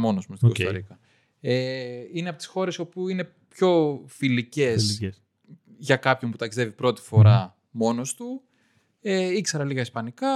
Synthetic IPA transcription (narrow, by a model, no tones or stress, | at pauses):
mo̞nosmost̪ikost̪oɾikɐ | eineɐpo̞t̪i̥sxo̞ɾe̞so̞puine̞ | pço̞filice̞s | ʝɐkɐpço̞nput̪ɐksi̥e̞vipɾo̞t̪i̥fo̞ɾɐ | mo̞no̞st̪u | eikse̞ɾɐliɣɐispɐnikɐ